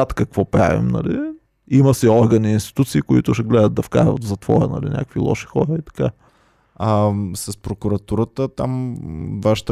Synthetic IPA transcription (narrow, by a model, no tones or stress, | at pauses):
at̪kɐkvɔpɾa̰vḭmnɐ̰li | imɐsiɔɾɡɐniinst̪i̥t̪ut̪siːkʊit̪ʊʃɛɡlɛd̪ətd̪ɐfka̰ɾvɐ̰t̪vzɐt̪v̥ɔ̰ɾə̰nɐ̰lḭnʲʔa̰kkvilˠɔ̰ʃi̥xɔɾəit̪ɐ̥ka | asɐspɾokʊɾɐt̪uɾət̪ət̪amvaʃt̪